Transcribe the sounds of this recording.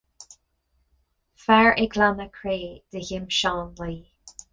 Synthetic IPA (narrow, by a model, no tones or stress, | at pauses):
fɛɹʔɪɡlanəkʰɹeːd̪̥əçɪmʃɑːnliː